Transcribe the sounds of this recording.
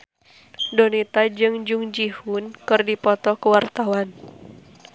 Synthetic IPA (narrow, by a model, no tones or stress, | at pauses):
donit̪ad͡ʒɨŋd͡ʒuŋd͡ʒihunkɨrdipɔt̪ɔkəwart̪awan